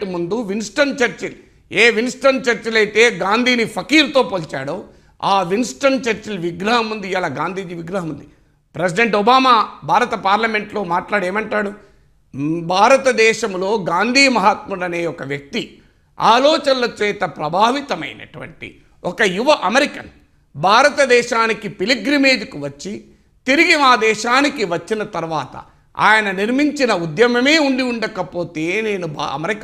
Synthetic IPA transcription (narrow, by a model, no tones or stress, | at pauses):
ʈimund̪uʋinsʈɐnt͡ʃɐɾt͡ʃil | eːʋinsʈɐnt͡ʃɐɾt͡ʃɐlɐjt̪e̞ːɡaːnd̪ʱiːnipʰɐkiːɾt̪o̞ːpoːlt͡ʃa̰ːɽoː | aːʋinsʈɐɳnt͡ʃɐɾt͡ʃilʋiɡɾɐɦɐmund̪ijaːlaːɡaːnd̪ʱiːd͡ʒiːʋiɡɾɐɦɐmund̪i | pɾesiɖeɳʈɔbaːmaːbʱaːɾɐt̪ɐpaːɾlɐme̞ɳʈlo̞ːmaːʈlaːɽe̞ːmɐɳʈaːɽu | bʱaːɾɐt̪ɐd̪ɛːʃɐmlo̞ːɡaːnd̪ʱiːmɐɦaːt̪mulɐne̞ːjɔkɐʋjɐk̚t̪i | a̰ːlɔːt͡ʃɐnlɐt͡ʃɛːt̪ɐpɾɐbʱaːʋit̪ɐmɐ̰jnɐ̰ʈuʋɐ̰ɳʈḭ | ʔɔkɐjuʋɐʔɐmɐɾikɐn | bʱaːɾɐt̪ɐd̪ɛːʃaːnikipiliɡɾime̞ːd͡ʒikuʋɐt͡ʃːi | t̪iɾiɡiaːd̪ɛːʃaːnikiʋɐt͡ʃːinɐt̪ɐɾʋaːt̪ɐ̰ | a̰ːjɐnɐniɾmiɲt͡ʃinɐud̪jɐmɐme̞ːuɳɖiuɳɖɐkɐpo̞ːt̪e̞ːne̞ːnub̰ɐ̰mɐɾik